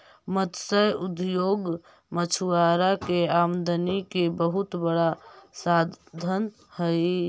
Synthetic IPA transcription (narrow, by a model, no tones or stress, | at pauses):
mət̪səjud̪joːɡ | mət͡ʃʰuwaɾakeamd̪ənikebəɦut̪bəɽasad̪d̪ʱən | həj